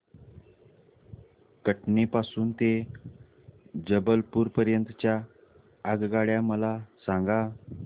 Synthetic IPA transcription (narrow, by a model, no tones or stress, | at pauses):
kəʈnepasuːnt̪e | d͡ʑəbəlpuːɾpəɾjənt̪t͡ɕja | əɡɡaɭjaməlasãŋɡa